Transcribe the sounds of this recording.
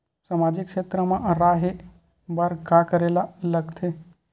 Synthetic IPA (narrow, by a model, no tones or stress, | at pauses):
samaːd͡ʒɪkʃeːt̪ɾəmãɾaːɦe | bəɾkakəɾeːlaləɡt̪ʰe